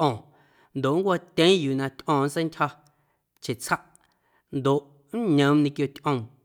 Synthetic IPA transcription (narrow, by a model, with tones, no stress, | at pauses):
ʔɔ̃ː˨ | nd̪o˨ʔŋkʷa˦˧t̪ʲẽ˦juː˨nã˧t̪ʲʔɔ̃ː˨n˦t͡sẽ˦ntʲhɔ˧ | t͡ʃe˨t͡sha˦ʔ | nd̪o˨ʔ | n̩˦ɲə̃˨˦mnĩ˧kjo˧t̪ʲʔə̃˧m